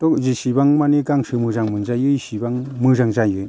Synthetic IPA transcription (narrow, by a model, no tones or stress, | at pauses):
t̪ɔk̚zisibaŋmaneɡaŋsɯmɯzaŋmɯnzajɯsibaŋmɯzaŋzajɯj